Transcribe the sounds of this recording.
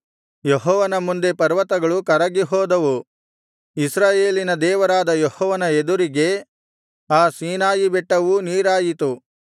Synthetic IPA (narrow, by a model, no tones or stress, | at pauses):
jeɦɔːʋɐnɐmund̪e̞pɐɾʋɐt̪ɐɡɐɭukɐɾɐɡiɦɔːd̪ɐʋu | isɾaːjeːlinɐd̪ɛːʋɐɾaːd̪ɐjɔhɔːʋɐnɐed̪uɾiɡe̞ | aːsiːnaːjibɛʈːɐʋuniːɾaːjit̪u